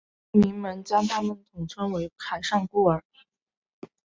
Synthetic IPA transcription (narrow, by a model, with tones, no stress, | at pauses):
mi˧˥ŋmə˧˥nt͡ɕjɑ˥ŋt̪ʰa˥mə˨nt̪ʰʊ˨˩ŋʈ͡ʂʰwə˥ŋwe˧˥ɪkʰa˨˩ɪʂɑ˥˧ŋku˥˩ə˞˨˩